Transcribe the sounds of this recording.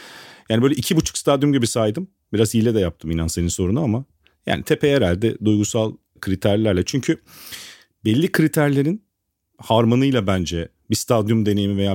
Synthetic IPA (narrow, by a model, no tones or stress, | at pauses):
jaːnibøjlʲɛʔicʰibut͡ʃʰu̥kst̪ʰad̪jumɟibisajd̪ɯm | biɾazijlʲɛd̪ɛjap̚t̪ʰɯminænse̞ninso̞ɾunuama | ja̰ːnit̪ʰepʰeeɾælʲd̪ɪd̪ujɡusalˠ | kʰɯɾit̪ʰæɾlʲæɾlʲɛt͡ʃʰyɲcʰy | bɛlʲːikʰɯɾit̪ʰæɾlʲe̞ɾin | haɾmonɯjlˠabænd͡ʒɛ | bist̪ʰad̪jumd̪e̞ne̞jimivejaː